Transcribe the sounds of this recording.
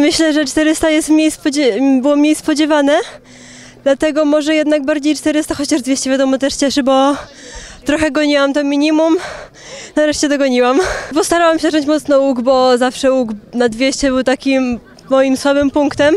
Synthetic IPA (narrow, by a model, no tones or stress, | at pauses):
mɘɕlɛʐɛt͡ʂt̪ɛɾɘst̪ajɛst̪mɲejspɔd͡ʑɛbɘwɔmɲejspɔd͡ʑɛvanɛ | d̪lat̪ɛɡɔmɔʐɛjɛd̪naɡ̚baɾd͡ʑejt͡ʂt̪ɛɾɘst̪axɔt͡ɕaʐd̪vʲeɕt͡ɕɛvʲjad̪ɔmɔt̪ɛʂt͡ɕɛʂɘbɔ | t̪ɾɔxɛɡɔɲiwamt̪ɔmʲiɲimum | naɾɛʂt͡ɕɛd̪ɔɡɔɲiwampɔst̪aɾawamɕɛʐɔɲt͡ɕmɔt̪snɔuɡbɔzafʂɛuɡnad̪vʲjeɕt͡ɕɛbɘwt̪akʲimː | ɔjimswabɘmpuŋkt̪ɛm